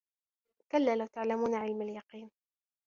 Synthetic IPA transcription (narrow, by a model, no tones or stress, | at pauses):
kalːaːlawt̪aʕlamuːnaʕɪlmaljɑqiːn